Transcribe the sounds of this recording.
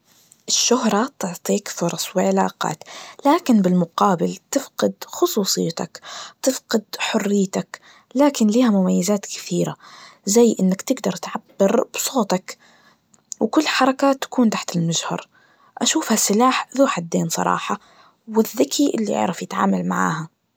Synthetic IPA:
ʔɪʃːʊhɾˤɑt̪ʊʕt̪ˤiːkfʊɾˤɑsˤwɪʕɪla̰ːqɑ̰ːt̪laːkɪnbɪlmʊqɑːbɪlt̪ɪfqɪd̪xʊsˤuːsˤɨjːat̪akt̪ɪfqɪd̪ħʊrːɪjːt̪ak | laːkɪnliːhamʊmajːɪzaːt̪kɪ̥θiːɾazajːʔɪnːakt̪ɪɡd̪ɑɾˤt̪ʕabːɪɾb̥sˤoːt̪ɑk | wkʊlːħɑɾˤɑkaːt̪ːḁkuːnt̪aħt̪ɪlmaʒhɑ̰ɾˤ | ʔaʃuːfhasːɪlaːħðuːħad̪ːeːnsˤɑ̰ɾˤɑ̰ːħɑ | wɪðːɪkʰiʔɪlːḭʔɪ̰ʕɾˤɑfjɪt̪ʕa̰ːmalmaʕa̰ːha

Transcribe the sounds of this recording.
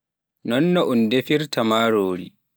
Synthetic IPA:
nɔnːɔʔundefiɾtʰamaːɾoːɾḭ

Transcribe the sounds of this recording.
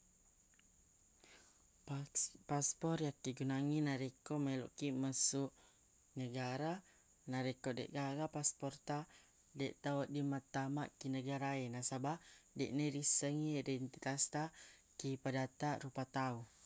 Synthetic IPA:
paspɔrjakːiɡunaŋinaɾekɔmelɔ̰ʔkimasuʔ | nəɡaɾa | naɾekɔdɛ̰ʔɡaɣapaspɔrt̪a | dɛʔt̪aɔdimat̪amaʔkinəɡaɾaenasabahdɛʔnəɾisəŋiidɛnt̪it̪ast̪a | kipadat̪aʔɾupat̪au

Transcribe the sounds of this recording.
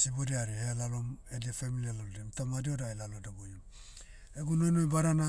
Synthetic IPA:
sibodiaɾielalo̞mediafemilialaldemtamadio̞dajlalodabojum | eɡuno̞jnojbaɾana

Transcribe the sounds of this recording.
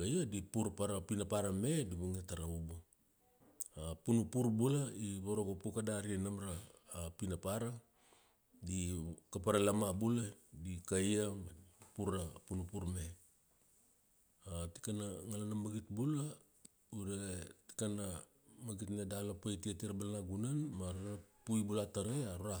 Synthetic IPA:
kajadipuɾpaɾapinapaɾame̞diβuŋataɾaubu | apunupuɾbulaiβoɾoɡopukadaɾinamɾaːpinapaɾa | dikapaɾalamabuladikajapuɾapunupuɾme | ati̥kanaŋalanamaɡitbula | udeti̥kana | maɡitnedalapajtiatiɾabalanaɡunanmaɾaapujbulataɾeaɾuɾa

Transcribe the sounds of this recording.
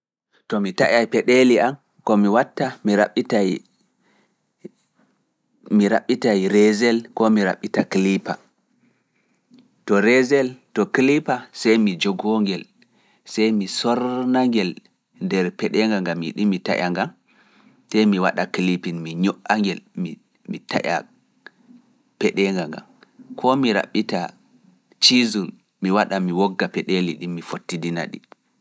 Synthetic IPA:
tɔmita̰ʔajpɛɗɛliam | kɔmiwatːamiɾaɓitaj | miɾa̰ɓːitajɾɛzɛlkɔmiɾa̰ɓitaklipa̰ | tɔɾɛzɛltɔklipasajmid͡ʒɔɡɔŋɡɛl | sajmisɔɾnaŋɡɛl | ndɛɾpɛɗɛŋɡaŋɡamḭɗimita̰ʔaŋɡam | sajmiwaɗaklipinmiɲɔʔaŋɡɛlmi | mita̰ʔa̰ | pɛɗɛŋɡaŋɡa̰mkʰɔmiɾa̰ɓːita | t͡ʃizul | miwaɗamiwɔɡːapɛɗeliɗimːifotːidina̰ɗḭ

